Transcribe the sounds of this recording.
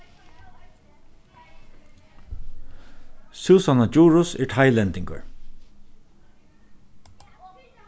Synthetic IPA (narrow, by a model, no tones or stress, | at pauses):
suːsanad͡ʒuːɹʊsɛɹʈʰaɪlɛnt̪ɪŋkə̰ɹ